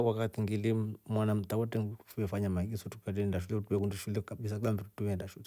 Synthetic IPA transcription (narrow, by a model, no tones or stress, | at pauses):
wakatiŋɡilimmwanam̩tawɔtɛŋfuɛfaɲamaɡisɔtu̥katɛɛndaʃ̬ulɛutuɛkundiʃulɛkaɓis̬alambittuɛndaʃulɛ